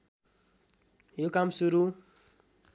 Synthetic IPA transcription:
jokamsuɾu

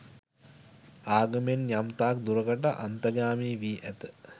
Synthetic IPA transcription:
aːɡəmenjamt̪aːk̚d̪uɾəkəʈaʔant̪ɐɡaːmiːʋiːʔæt̪ə

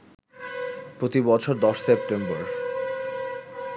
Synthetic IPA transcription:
pɾot̪ibɔt͡ɕʰoɾd̪ɔʃsep̚ʈemboɾ

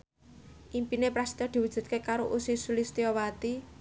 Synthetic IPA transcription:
ʔimpinepɾast̪ɔd̪̥i̤wud̥ʒ̥ṳd̪̚kekaɾoʔusisulist̪iɔwat̪i

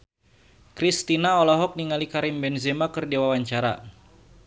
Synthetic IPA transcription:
kɾist̪inaɔlɔɦɔk̚niŋalikaɾimbɛnzemakərdewawaɲt͡ʃaɾa̰

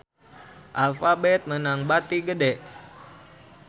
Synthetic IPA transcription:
ʔalfabɛt̪̚mənaŋbat̪iɡədɛʔ

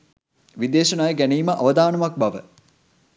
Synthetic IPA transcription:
ʋid̪eːʃɐnaːjəɡæniːməʔɐʋɐd̪aːnɐmɐk̚bɐʋə̰

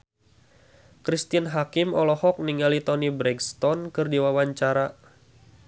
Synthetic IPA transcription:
kɾist̪ianɦakimɔlɔhɔk̚niŋalit̪ɔnibɾɛɡst̪ɔnkɨrdiwawaɲt͡ʃaɾa

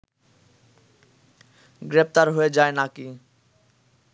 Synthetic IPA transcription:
ɡɾep̚ʰt̪aɾɦoed͡ʒaenaki

